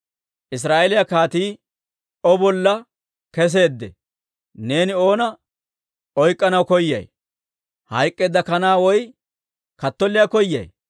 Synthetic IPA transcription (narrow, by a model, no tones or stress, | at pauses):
ʔɪs̬ɾaːʔelɪjɐkaːt̪iː | ɔbɔlːɐ | kɛs̬e̞ːd̪ːɛ̰ | ne̞ːnɪo̞ːnɐ | ɔjkʼːɐnɐwkɔjːɐ̰j | hɐjkʼːeːd̪ɐkɐnaːwɔj | kɐt̪ːɔlːɪjɐkɔjːɐ̰j